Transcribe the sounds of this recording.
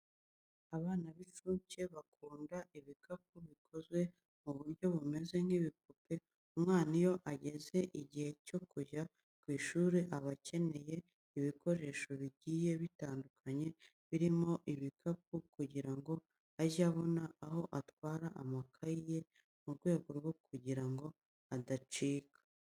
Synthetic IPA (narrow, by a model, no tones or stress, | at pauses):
aβaːnaβit͡ʃuːɲce̞βakʰuːndaʔiβikʰap̚uβikʰo̞zwe̞ | muβuɾɟo̞βume̞ze̞ŋ̥hiβik̚ope̞ | umŋaːnijo̞ʔaɟe̞ze̞ʔiɟihe̞co̞kuʒa | kwiːʃuːɾeʔaβace̞ne̞je̞ | iβiko̞ɾe̞ʃo̞βiɟiːje̞βitaːndukʰaɲe̞ | βiɾimo̞ʔiβikap̚ukuɟiɾaŋɡo̞ | aʒaβo̞naːho̞ʔatwaːɾaʔamakʰaije̞ | muɾɡwe̞ːɡo̞ɾɡo̞kʰuɟiɾaŋɡo̞ | adat͡ʃiːkʰḁ